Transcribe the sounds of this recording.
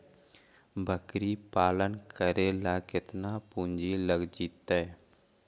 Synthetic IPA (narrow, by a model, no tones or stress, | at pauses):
bʱəkɾipaːlənkʰəɾelakɪt̪napũːnd͡ʒiləɡd͡ʒiːt̪ɛ